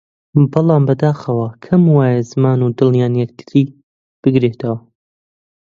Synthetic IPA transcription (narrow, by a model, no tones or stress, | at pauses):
bɨlˠɑːmbɐd̪aːxɐwɐkʰɐmwaːjɛzɨmaːnud̪ɨlnjaːnjɛk̚t̪ʰɨ̥ɾiː | b̥ɨɡɾeːt̪ʰɐwɐ